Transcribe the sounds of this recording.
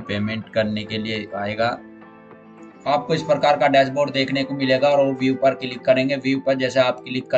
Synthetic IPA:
peːmɛ̃ɳʈkɐɾnekelieaːeːɡaː | aːp̚koɪspɾəkaːɾkaɖɛːs̬boːʈd̪eːkʰnekomɪleːɡaɔːɾʋoʋiuːpɐɾkɪlɪkːɐɾẽːŋɡeʋiupɐɾd͡ʒɛːseaːp̚kɪlɪkːə

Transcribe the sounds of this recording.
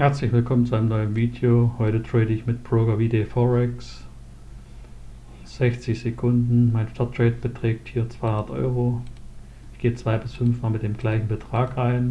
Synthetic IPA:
hɛɐt͡slɪçv̥ɪlkʰɔmənt͡suʔaɪnəmnɔʏənviːdeohɔʏtətʁ̥ɛːdəɪçmɪt̚b̥ʁ̥oːɡɐviːdeːfɔʁɛks | z̥ɛçt͡sɪçz̥ekʰʊndn̩maɪnʃtʰaɐt̚ʁ̥ɛːt̚b̥ətʁ̥ɛːk̚thiːɐt͡sv̥aɪhʊndɐtʔɔ̰ʏʁo | ɪçɡ̥eːət͡sv̥aɪbɪsfʏnfmaːlmɪt̚d̥eːmɡlaɪçn̩bətʁ̥aːkʁaɪn

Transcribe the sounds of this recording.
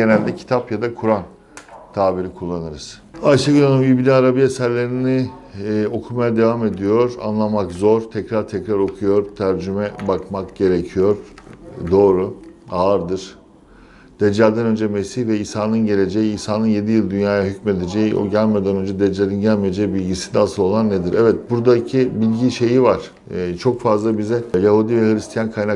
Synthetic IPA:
ɟe̞nælʲd̪ɛcʰi̥t̪ʰapjad̪akʰuɾan | t̪ʰaːbiɾikʰulˠːanɯɾɯz̥ | aʃaɡɯlʲanambibilʲinaɾabiesæɾlʲe̞ɾini | o̞kʰumajad̪e̞vame̞d̪ijo̞ɾa̰nlˠamakzo̞ɾt̪ʰɛcɾaɾt̪ʰɛcɾaɾo̞kʰujo̞ɾt̪ʰæɾd͡ʒymɛbakmakɟe̞ɾecʰijo̞ɾ̥d̪o̞ːɾuaːɾd̪ɯɾ̥ | d̪̥ɛd͡ʒad̪ænø̞nd͡ʒɛmesiçvɛisaːnɯnɟe̞lʲe̞d͡ʒe̞jiːsaːnɯnje̞d̪ijɯlˠd̪ynjaːjaɦycme̞d̪ed͡ʒejiʔo̰ɟælʲmijed̪ænø̞nd͡ʒɛd̪ed͡ʒaɾinɟælʲmije̞d͡ʒejibilʲɟisind̪ɛasɯlˠo̞lˠanːed̪iɾʔɛvɛt̪̚buɾd̪acʰibilʲɟiʃe̞jivaɾ̥ | t͡ʃʰo̞kfazlˠabizɛjahud̪ivɛhɯɾʲist̪ʰijankʰajna

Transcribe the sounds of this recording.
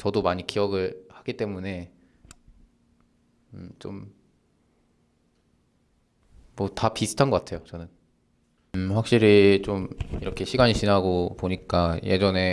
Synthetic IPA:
t͡ɕʌdomaɲikiʌɡɯɭhaɡit͈e̞mune̞ | t͡ɕom | ʌtapisʰu̥tʰanɡʌk͈atʰe̞jot͡ɕʌnɯn | ɸwak̚ɕ͈iɾit͡ɕomiɾʌkʰeɕʰiɡaɲiɕʰinɦaɡopoɲik͈aje̞̰d͡ʑʌne̞

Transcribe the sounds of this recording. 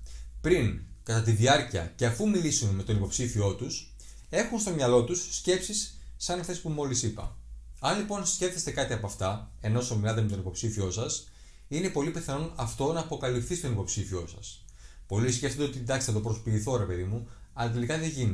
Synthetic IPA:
pɾiŋkɐt̪ɐt̪̬iðiɐɾciɐ̰ce̞ɐfumilisunme̞t̪o̞nipo̞psifio̞t̪us | e̞xunst̪omɲɐlo̞t̪usːce̞psisː | ɐnɐft̪espumo̞lisipɐ̰ | ɐnlipo̞nsce̞fθest̪e̞kɐt̪iɐpɐft̪ɐe̞no̞somilɐt̪̬eme̞t̪o̞nipo̞psifio̞sɐs | ine̞po̞lipeθɐnonɐft̪o̞nɐːpo̞kɐlifθist̪o̞nipo̞psifio̞sɐs | po̞lisce̞ft̪od̪eot̪iid̪ɐkst̪ɐt̪opɾospiːθo̞ɾe̞pe̞ðimu | ɐlɐt̪̬e̞likɐðeʝini

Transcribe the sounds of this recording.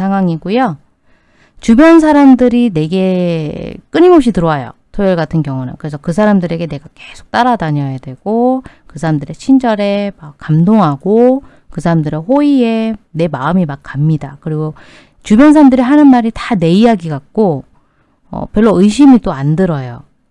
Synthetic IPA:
sʰaŋɦwaŋiɡujo | t͡ɕubjʌns̬ʰaɾamdɯɾine̞ɡe̞ | k͈ɯninɡopɕ̬ʰitɯɾʌwajo̰tʰojʌɭɡatʰɯnkjʌŋuna̰kɯɾesʰʌkɯs̬ʰaɾamdɯɾe̞ɡe̞ne̞ɡake̞sʰo̥k̚t͈aɾadaɲʌjadwe̞ɡ̥okɯsʰaɾamdɯɾe̞t͡ɕʰind͡ʑʌɾe̞makk͈ːamdoŋɦaɡo | kɯsʰaɾamdɯɾeɸoie̞ne̞maɯmimak̚k͈ːamɲidakɯɾiɡo | t͡ɕubjʌnsʰaɾamdɯɾiɦanɯnmaɾitane̞iaɡiɡak̚k͈o | ʌ̰pjʌɭːoɯiɕʰimit͈oandɯɾʌjo

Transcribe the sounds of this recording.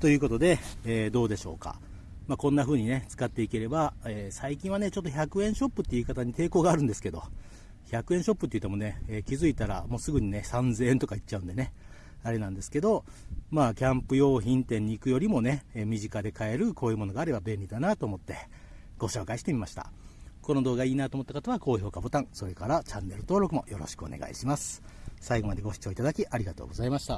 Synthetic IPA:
t̪ojɯ̟ːko̞t̪o̞d̪e̞ːd̪o̞ːd̪e̞ɕo̞̰ːka̰ | makõ̞nːaɸɯ̟ːɲ̟ine̞t͡sɨ̥kat̪ːe̞ike̞ɾe̞baeːsaikʲĩɰ̃βane̞t͡ɕo̞t̪ːo̞çʲakɯ̟ẽ̞ɰ̃ɕo̞pːɯ̟t̪ːe̞iɯ̟kat̪aɲ̟it̪e̞ːko̞ːɡaːɾɯ̟̃nd̪e̞sɨ̥ke̞d̪o̞ | çʲakɯ̟ẽ̞ɰ̃ɕo̞pːɯ̟t̪ːei̟t̪̬ːe̞mo̞ne̞eːkʲizɨit̪aɾa̰mo̞ːsɨɡɯ̟ɲ̟ine̞sãnze̞ːent̪o̞kait͡ɕt͡ɕːaɯ̟̃nd̪e̞ne̞ | aɾe̞nãnd̪e̞sɨ̥ke̞d̪o̞maːkʲãmpɯ̟jo̞ːçĩnt̪ẽ̞ɲ̟ːiːkɯ̟jo̞ɾʲimo̞ne̞mʲiʑikad̪e̞kae̞ɾɯ̟kʰo̞ːjɯːmo̞no̞ɡaːɾe̞babẽ̞nʲɾʲid̪anat̪o̞ːmo̞t̪ːe̞ | ɡ̥o̞ɕo̞ːkaiɕi̥t̪e̞mʲimaɕi̥t̪a̰ | ko̞no̞d̪oːɡaiːnat̪oːmo̞t̪ːakot̪aβako̞ːço̞ːkabo̞t̪ãɴ̃so̞ɾe̞kaɾat͡ɕãnːe̞ɾɯ̟t̪o̞ːɾo̞kɯ̟mo̞̰jo̞ɾo̞̰ɕi̥kɯ̟o̞̰ne̞̰ɡa̰ḭɕimasɨ̥saiɡo̞mad̪e̞ɡo̞ɕi̥t͡ɕo̞ːit̪ad̪akʲiʔaɾʲiɡat̪o̰ːɡo̞zaimaɕi̥t̪a

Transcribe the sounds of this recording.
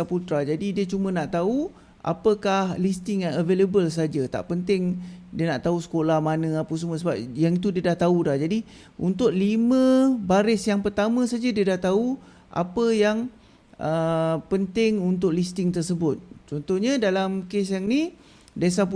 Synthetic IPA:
aput̪ɾad͡ʒadidiət͡ʃumə̃naʔt̪au | ʔa̰pəkahlist̪ɪŋaəveləbəls̬ad͡ʒat̪a̰ʔpənt̪ɪŋdiənaʔt̪ausə̥kolahmanə̃apəs̬mə̃s̬əbap̚jaŋit̪̬udiədaht̪audahd͡ʒadi | ʔunt̪ʊʔlimə̃baɾɪsjaŋpərt̪amə̃sad͡ʒədiədaht̪au | ʔa̰pəjaŋ | əpənt̪ɪŋunt̪̬ʊʔlist̪ɪŋt̪ərsəbʊt̪̚t͡ʃɔnt̪ɔhɲə̃dalamkesjaŋni | desapu

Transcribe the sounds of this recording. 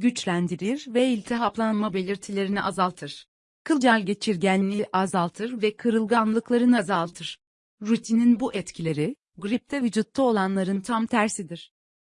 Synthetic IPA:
ɟyt͡ʃlʲænd̪iɾiɾvɛilʲt̪ʰɛɦaplˠanmabe̞lʲiɾt̪ʰilʲe̞ɾiniʔazalˠt̪ʰɯɾ̥ | kʰɯlˠd͡ʒalʲɟe̞t͡ʃʰiɾɟænːʲiʔazalˠt̪ʰɯɾvɛkʰɯɾɯlˠɡanllˠɯklˠaɾɯnazalˠt̪ʰɯɾ̥ | ɾut̪ʰininbuʔɛt̪cʰilʲe̞ɾi | ɡɾip̚t̪ʰɛvyd͡ʒut̪lˠuo̞lˠanlˠaɾɯnt̪ʰamt̪ʰæɾsid̪iɾ̝̥

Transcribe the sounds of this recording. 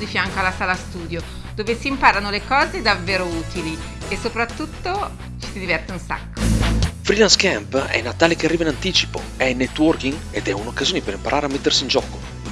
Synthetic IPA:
d̪ifjaŋkoalːasaːlast̪uːd̪jo | d̪oːvesiːmpaːɾanolekɔːzed̪avːeːɾouːt̪ili | esːopɾat̪ːut̪ːo | t͡ʃi̥sid̪ivɛrt̪eunsa̰kːofɾilanskɛmpɛ̰nːat̪aːlekeariːvainant̪iːt͡ʃi̥po̰ | ɛnːɛt̪ːwɔrkiŋ | ed̪ɛunokːazjoːnepeɾimpaɾʔaːɾeamːet̪ːersiːnd͡ʒɔːko

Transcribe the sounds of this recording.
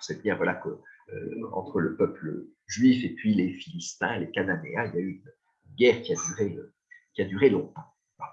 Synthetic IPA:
sɛt̪ɡʲɛʁvwalakøø̰ɑ̰̃t̪χələpœplə̰ʒɥifepɥilefilist̪ɛ̰̃lekananeailjayːnː | nɡʲɛʁkʲiad̪yʁeø | kʲiad̪yʁelɔ̃t̪ɑ̃ | a

